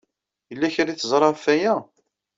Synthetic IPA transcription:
jəlːæçɾiθəzˤɾˤɑfæjæ

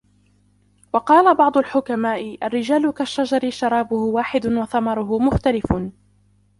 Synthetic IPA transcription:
wɑqɑːlabɑʕd̪ˤʊlħʊkamaːʔɪʔarːɪd͡ʒaːlʊkaʃːad͡ʒɑɾɪʃɑɾˤɑːbʊhʊwaːħɪd̪ʊnwɑθɑmɑɾˤʊɦʊmʊxt̪alɪf

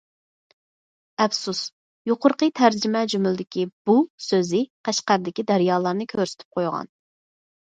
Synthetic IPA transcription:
ɛfsus | joqʊɾqət̪ʰæɾd͡ʒimɛd͡ʒymylˠd̪ɪkʲib̥usøzɪqʰæʃqæɾd̪ɪkʲid̪æɾjɑːlˠɑɾnɨkʲʰøɾsɪ̥t̪ʰy̥p̚qʰojʁɑ̰n

